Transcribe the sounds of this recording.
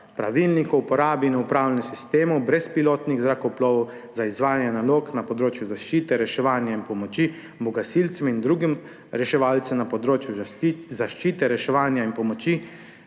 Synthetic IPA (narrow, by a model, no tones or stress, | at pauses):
pɾa̰ʋilnikɔupɔɾaːbinɔupɾaːwlɛnɛsist̪eːmɔwbɾɛspiloːt̪niɣzɾakɔwplɔːʋɔw | zaizʋaːjanjɛnaloːknapɔd̪ɾoːt͡ʃjuzaʃt͡ʃiːt̪ɛɾɛʃɛʋaːnjainpɔmɔt͡ʃi | bɔɡasilt̪sɛmind̪ɾuːɡim | ɾɛʃɛʋaːlt̪sɛmnapɔd̪ɾoːt͡ʃjuzaʃt͡ʃiːt̪ɛɾɛʃɛʋaːnjainpɔmɔt͡ʃi